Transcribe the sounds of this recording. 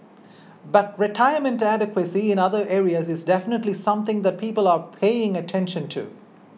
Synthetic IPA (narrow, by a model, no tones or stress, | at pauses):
bʌt̚ɹɪʈʰaɪəmə̃ntæɾɪkwəsiɪ̃nʌðə˞ʔeːɹiəzɪzdɛfənətlisʌ̃mθɪ̃ŋðət̚pʰiːpəlˠəpʰeɪɪ̃ŋətʰɛ̃nʃə̃ntʰṵ